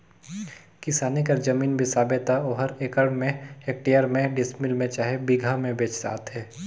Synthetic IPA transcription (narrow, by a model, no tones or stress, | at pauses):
kɪsaːnikɐɾd͡ʒɐmiːnbʱisaːbet̪aoːɦəɾeːkəɾɳmẽeːk̚ʈejəɾmẽɖɪsmɪlmẽt͡ʃaːɦebɪɡʱamẽbeːt͡ʃsa̰ːt̪ɦɛː